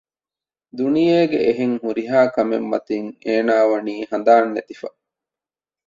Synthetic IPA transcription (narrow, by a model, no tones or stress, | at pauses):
d̪unijeːɡeʔeɦeŋhuɾiɦaːkɐmḛmːɐ̰t̪iŋeːnaːʋɐniːɦɐnd̪aːnːet̪ifɐ